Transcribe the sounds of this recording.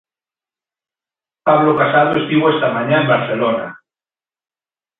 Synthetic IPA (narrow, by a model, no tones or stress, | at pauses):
paβlokasaðoest̪iβoest̪amãɲãẽmbaɾθelona